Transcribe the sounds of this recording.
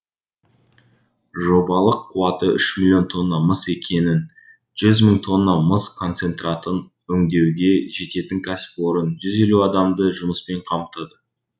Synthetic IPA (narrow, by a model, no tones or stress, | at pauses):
ʒo̞bɑlˠəqʰːuwɑt̪əʔʏʃmiilʲˠːjo̞nt̪ʰo̞nːɑməse̞kʲʰe̞nɪn | ʒ̥ʏzməɴt̪ʰo̞nːɑməskʰo̞nt̪se̞nt̪rɑt̪ən | wɵŋd̪e̞wɡʲe̞ʒe̞t̪e̞t̪ɪŋkʲʰæsɪ̥pwo̞ɾənʒʏze̞luɑd̪ɑmd̪əʒʊməspe̞ɴqʰɑmt̪ɑd̪ə